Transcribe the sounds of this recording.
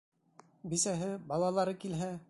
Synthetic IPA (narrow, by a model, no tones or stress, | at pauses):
bisæɦɘbɑlˠɑlˠɑɾɤkilɦæ